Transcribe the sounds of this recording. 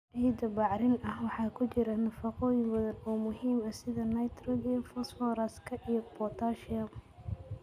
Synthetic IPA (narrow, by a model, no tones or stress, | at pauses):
ʕijd̪ɐbɑʕɾɪnɐhwɑħɑːkʰʊt͡ʃɪɾɐnɐfɑqɔːjɪŋbɐðɐnɔːmʊɦiːmɐsɪðɐnɐjt̪ʰrɔɡifsfɔɾɐskʰɐʔijɔbɔt̪ʰaːʃɪɐm